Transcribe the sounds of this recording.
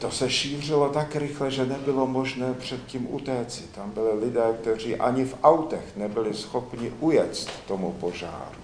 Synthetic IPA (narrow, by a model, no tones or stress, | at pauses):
t̪o̞sɛʃiːr̝ɪlo̞t̪akɾɪxlɛʒɛnɛbɪlo̞mo̞ʒnɛːpr̝̥ɛt̪̚ciːmʔṵt̪ɛːt͡sɪt̪ambɪlɪlɪdɛːkt̪ɛr̝iːʔa̰ɲɪfʔawt̪ɛxnɛbɪlɪsxo̞pɲɪʔujɛt͡st̪ːo̞mupo̞ʒa̰ːɾu